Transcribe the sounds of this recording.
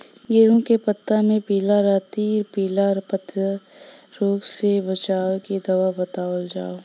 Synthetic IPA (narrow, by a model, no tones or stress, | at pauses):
ɡeːõkepət̪ːamẽpiːlaɾaːt̪iːɾpiːlaɾpət̪ə | ɾoːksebət͡ʃaːekid̪ɐʋabɐt̪aːwəld͡ʒaːo